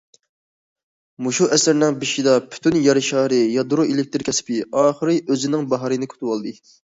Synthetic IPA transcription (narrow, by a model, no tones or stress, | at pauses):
muʃuʔɛsɪɾnɪŋbiʃid̪ɑpʰy̥t̪ʰynjɑɾɨʃɑːɾɨjɑd̪uɾuʔelɪk̚ʲt̪ɪɾkʲʰɛsɪ̥pɪɑːχəɾɨʔøzɪnɪŋbɑɦɑɾɨnɨkʰʲy̥t̪ʰɨwɑlˠd̪ɨ